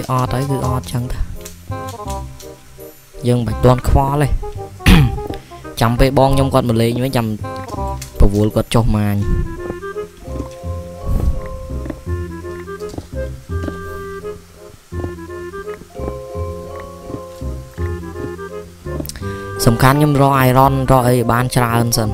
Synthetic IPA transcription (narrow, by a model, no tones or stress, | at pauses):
ʔɑːt̪ʰːəwkɨːʔɑːt̪̚t͡ɕəŋt̪a | jəːŋɓəc̚t̪ŏənkʰʋɑːle | t͡ɕampeːlɓɑːŋɲomkŏət̪̚məleːʋəɲt͡ɕam | pɔʋʊ̆əlkŏət̪̚t͡ɕohmaːɲ | sɑmkʰanɲomrɔːʔaɛrɑnrɔːʔəjɓaːnt͡ɕraənsən